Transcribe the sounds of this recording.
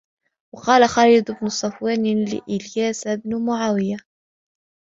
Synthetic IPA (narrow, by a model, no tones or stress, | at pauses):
wɑqɑːlaxɑːɾid̪bnʊsˤɑfwaːnlɪ̰ʔɪljaːsabnʊmʊʕaːwɪja